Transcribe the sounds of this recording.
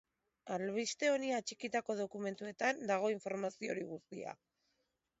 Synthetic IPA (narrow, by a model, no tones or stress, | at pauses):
alβist̪e̞o̞niat͡ʃikit̪ako̞ð̞o̞kume̞nt̪ue̞t̪and̪aɣ̞o̞iɱfo̞ɾmasio̞̰ɾiɣust̪ia̰